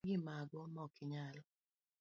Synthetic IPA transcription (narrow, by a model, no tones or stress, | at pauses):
ɡɪmaɡɔmɔkʰɪɲalɔ